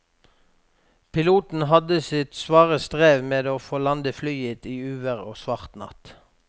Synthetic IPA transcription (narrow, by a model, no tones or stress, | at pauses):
pʰɪluːt̪n̩ɦɑd̪əsɪt̪sʋɑːʁəst̪ʁeːʋmeːd̪oːfoːlɑnd̪əflyːət̪iːʉːʋəʁo̰ːsʋɑʁt̪nɑ̰t̪